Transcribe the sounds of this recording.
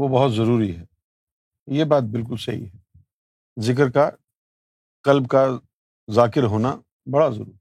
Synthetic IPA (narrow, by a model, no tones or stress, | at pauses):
ʋobɐɦʊt̪zɐɾuːɾiɦɛː | jebaːt̪̚bɪlkʊlsɐɦḭɦɛ | zɪk̬əɾka | qɐlbka | zaːkɪɾɦoːna | bɐɽazɐ̰ɾṵi